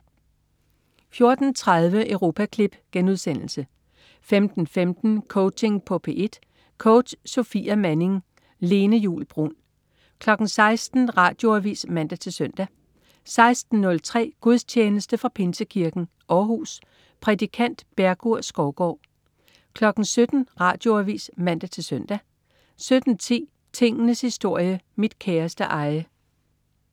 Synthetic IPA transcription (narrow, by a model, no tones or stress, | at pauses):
fjo̝ɐd̥n̩t͡sʰʁað̞ˠʋəʔəʊʁo̝ːpʰækʰlib̥ɡ̥enuð̞ˠsen̰l̩sə | femd̥n̩femd̥n̩kʰɔʊt͡sʰe̝ŋpʰɔ̽pʰe̝ʔe̝d̥ | kʰɔʊd̥so̝fḭːæmæne̝ŋ | le̝ːnəjṵːlb̥ʁṵn | kʰlɒ̽ɡ̥n̩sɑ̈ɪsd̥n̩ʁɑ̈ːd̥jo̝æʋḭːsmænd̥æt͡sʰe̝søn̰d̥æ | sɑ̈ɪsd̥n̩nːɔ̽lt͡sʰʁɛ̰ːɡ̥uðˠst͡ɕʰeːnəsd̥əfʁɑ̈pʰe̝nsəkʰiɐɡ̥n̩ | ʔɒːɦuːs | pʰʁɛdikʰæn̰d̥b̥æɐɡ̥uɐ̰sɡ̥ɒʊɡ̥ɒ̰ | kʰlɒ̽ɡ̥n̩sød̥n̩ʁɑ̈ːd̥jo̝æʋḭːsmæn̰d̥æt͡sʰe̝lsøn̰d̥æ | sød̥n̩t͡sʰḭː | t͡sʰe̝ŋ̰ənəshisd̥o̝ɐ̰jəmid̥kʰeːɐsd̥əʔɑ̈ɪə